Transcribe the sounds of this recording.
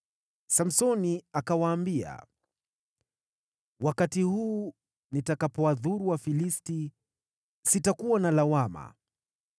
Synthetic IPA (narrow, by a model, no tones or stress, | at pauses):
sam̩sɔniakawaːmbia̰ | wakatihuː | nitakapɔaðuɾuwafilisti | sitakuwanalawama̰